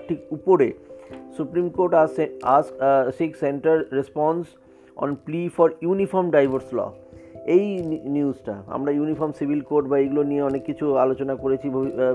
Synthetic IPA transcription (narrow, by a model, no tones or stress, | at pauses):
ʈʰikupoɾesupɾimkoɾʈaseasksekseɳʈaɾːespɔns | ɔ̰nplifɔɾjunifɔɾmɖajbʱaɾslɔ̰ejniusʈa̰a̰mɾajunifɔɾmsibʱilkoɾʈbaeɡulonijeɔnekːit͡ɕʰualot͡ɕonakoɾet͡ɕʰibʱoi